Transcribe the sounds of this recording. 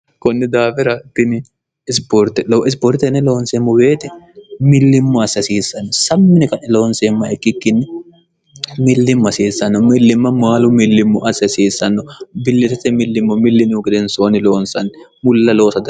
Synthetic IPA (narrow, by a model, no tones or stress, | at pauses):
kɔnːɛd̪aːfɛɾɐɪt̪ːɪnɪ | ɪspoɾt̪ːɛloɪspoːɾt̪ːɛnːɛlo̞ːnseːmːɔwe̞ːt̪ɛmɪlːɪmːɔɐsɐsiːsːɐnːɔsɐmːɪnɛkɐʔɛlo̞ːnseːmːɐɛkːɪkːɪnːɪ | mɪlːɪmːɐsiːsːɐnːɔmɪlːɪmːɐmaːlʊmɪlːɪmːɔʔɐsɐsiːsːɐnːɔbɪlːɪt̪ɛsɛmɪlːɪmːɔmɪlːɪnɪʊkɪd̪ɛnsoːnɪloːnsɐnːɪ | mʊlːɐloːsɐd̪